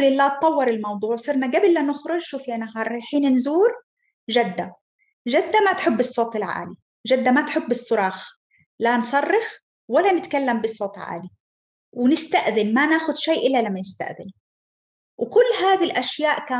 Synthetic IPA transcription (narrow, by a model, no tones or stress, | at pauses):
lɪlːaːt̪ˤːɑwːɑɾˤɪlmɑwd̪ˤuːʕsˤɨɾnaɡabɪlːanʊxɾʊʃuːfjanaɦɑːɾˤaħiːnnzuːɾ | ʒad̪ːa | ʒad̪ːamat̪ħʊbːɨsˤːoːt̪ɪlʕa̰ːli | ʒad̪ːamat̪ħʊbːɨsˤːʊɾˤɑːx | lansˤɑrˤːɪx | walːanɪt̪kalːambɪsˤːoːt̪ˤʕa̰ːli | wɪnɪst̪aʔðɪnmanaːxʊd̪ʃajːʔɪlːalamːajɪst̪a̰ʔðɪn | wɪkʊlːɦaːðilʔaʃjaːʔkaː